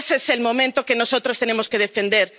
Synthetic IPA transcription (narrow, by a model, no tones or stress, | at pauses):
seselmomẽnt̪okenosot̪ɾost̪enemoskeð̞efend̪eɾ